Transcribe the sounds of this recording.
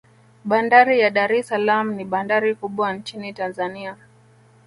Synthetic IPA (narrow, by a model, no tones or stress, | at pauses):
ɓandaɾijaɗaɾɛsalam̩niɓandaɾikuɓwant͡ʃinitanzania